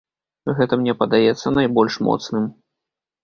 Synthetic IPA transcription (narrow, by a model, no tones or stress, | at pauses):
ɣɛt̪ɐmnʲɛpɐd̪ajɛt̪sːɐnajbɔlʲʂmɔ̰t̪snɨm